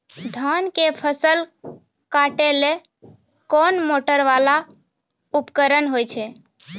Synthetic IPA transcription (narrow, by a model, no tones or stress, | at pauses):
d̪ʱankepʰəsəl | kaʈele | kɔnmoʈəɾʋala | upkəɾənɦojt͡ʃʰe